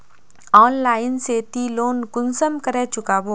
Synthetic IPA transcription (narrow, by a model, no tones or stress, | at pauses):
ɔːnlaːɪnseːt̪iloːnkʊnsəmkəɾet͡ʃʊkaːboː